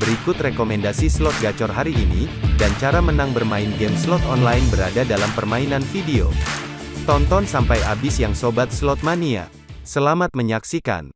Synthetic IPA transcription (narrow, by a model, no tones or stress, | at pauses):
bəɾikʊt̪rekomɛndasislɔt̪̚ɡat͡ʃɔrɦaɾiːnḭdant͡ʃaɾamənaŋbərmaɪnɡɛmslɔt̪ɔnlaɪnbəɾadadalampərmainanfideo̰ | t̪ɔnt̪ɔnsampajabɪsjaŋsobat̪̚slɔt̪̚mania̰ | səlamat̪̚məɲaksika̰n